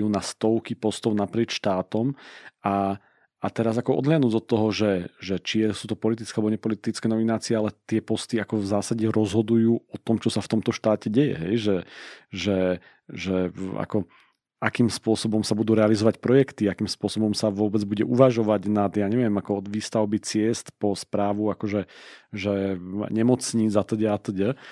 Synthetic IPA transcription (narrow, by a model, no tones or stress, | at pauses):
juːnast̪ɔʊkipɔst̪ɔʊnapɾɪɛt͡ʃʃt̪aːt̪ɔma | at̪ɛɾazakɔʔɔ̰d̪ɦlɪad̪nuːɟɔt̪ːɔɦɔʒɛʒɛt͡ʃiɛsuːt̪ɔpɔlit̪̬i̥t͡skɛalɛbɔɲɛpɔlit̪it͡skɛːnɔminaːt͡siɛalɛt̪ɪɛpɔst̪iakɔvzaːsaɟɛɾɔzɦɔd̪ujuːɔt̪ɔmt͡ʃɔsaft̪ɔmt̪ɔʃt̪aːcɛɟɛjɛ̰ɦɛjʒɛʒɛ | ʒɛa̰kɔ | akiːmspʊɔsɔbɔmsabud̪uːɾɛalizɔʋacpɾɔjɛkt̪iakiːmspʊɔsɔbɔmsaʋʊɔbɛd͡zbuɟɛʔuʋaʒɔʋaɟnad̪jaːɲɛʋɪɛmakɔɔd̪ʋiːst̪aʊbit͡sɪɛst̪pɔspɾaːʋuakɔʒɛʒɛɲɛmɔt͡sɲiːd͡zat̪əɟɛat̪əɟɛ